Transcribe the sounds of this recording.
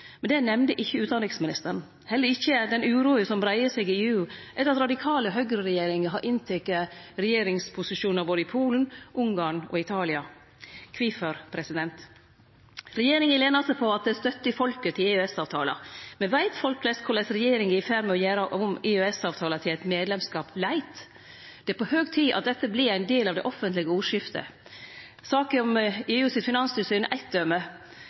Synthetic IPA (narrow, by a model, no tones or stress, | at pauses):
mɛnd̪ɛnɛmnd̪əʔɪçːəʉːt̪d̪ɑnd̪ɪŋsmɪnɪst̪əɾɳ̩ | hɛlːəɾɪçːəd̪ɛnʉːɾuːəsɔmbɾæɪəsɛɡɪeːʉːʔɛt̪ɾɑt̪ɾɑd̪ɪkʰɑːləɦœɡɾəɾɛjeːɾɪŋəɦɑɾʔɪnt̪ʰɛkːəɾɛjeːɾɪŋspʰʊsɪʃuːnəɾboːd̪əɪpʰuːlən̩ʔʊŋɡɑːɳɔ̰ɪt̪ʰɑːlɪɑ | kʰʋɪfəɾpʰɾɛsɪd̪ɛnt̪ | ɾɛjeːɾɪŋənleːnɑsəpʰɔɑt̪̚d̪ɛst̪œt̪ːəfɔlkət̪ʰɪleøɛsɑːʋt̪ʰɑːlɑ̰mɛnʋæɪt̪fɔlklɛskʰʊlɛsɾɛjeːɾɪŋɪɪfæɾmɛɔjæːɾəʔʊmɪøɛsɑːʋt̪ʰɑːlət̪ʰɪlæɪt̪meːd̪lɛmskɑːplæɪt̪ | d̪̥ɛæpɔhøːɡt̪ʰiːʔɑ̰t̪̚d̪ɛt̪ːəblɪɾæɪnd̪eːlɑʋd̪ɛ̰ʔɔfːənt̪lɪɡəuːʂɪft̪ə̰ | sɑːkəɔmeːʉːsɪt̪fɪnɑnsʏst̪eːmʔæɪt̪̚d̪œmə